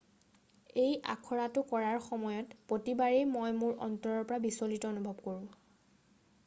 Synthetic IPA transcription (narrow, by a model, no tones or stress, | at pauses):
eja̰kʰɔɹatʊkɔɹaɹxɔmɔjɔtpotibaɹejmojmuɹʔɔ̰ntɔɹɔɹpɔɹabisolitɔonubʱɔb̚koɹʊ̃